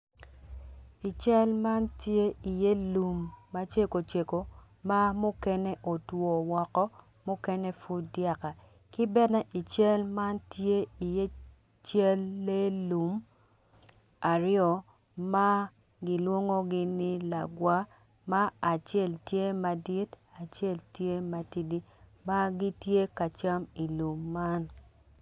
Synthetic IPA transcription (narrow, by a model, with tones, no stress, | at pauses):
i˨t͡ʃɛ˦lma˦ntje˦i˨je˦lu˨mːa˦t͡ʃe˦ko˨t͡ʃe˨ko˨ | ma˦mʊ˦kɛ˦ne˦ʔo˨two˨wɔ˨kɔ˦ | mʊ˦kɛ˦ne˦fu˦dja˦ka˨ | kɪ˦bɛ˦nɛ˦ʔi˨t͡ʃɛ˦lma˦ntje˦i˨je˦ | t͡ʃɛ˦lːe˦lu˨m | a˨ɾjɔ˨ | ma˦ | ɡɪ˦lwo˦ŋo˦ɡɪ˦nɪ˦la˨ɡwa˦ | maː˦˨t͡ʃɛ˦˨ltje˦ma˨di˦t | a˨t͡ʃe˦˨ltje˦ma˨ti˨di˦ma˦ɡi˦tje˦ka˨t͡ʃa˦mi˨lu˨mːa˦n